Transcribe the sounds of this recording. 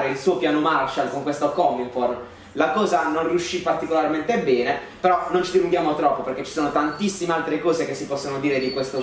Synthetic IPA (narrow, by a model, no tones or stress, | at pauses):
ɾeilsuːopjaːnomart͡ʃalkoŋkwest̪okɔmːinfor | lakɔːzanonrjuʃːipːart̪ikolarment̪ebɛːne | peɾɔnont͡ʃid̪iluŋɡjaːmot̪ɾɔpːoperk̟et͡ʃːi̥soːnot̪ant̪isːimealt̪ɾekɔːzekesːipɔsːonod̪iːɾed̪ikwest̪o